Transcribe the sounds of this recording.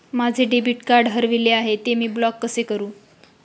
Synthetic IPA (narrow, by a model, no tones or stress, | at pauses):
mad͡ʑʱeɖebiʈkaɾɖɦəɾʋileaɦet̪emiːblɔkːəsekəɾũː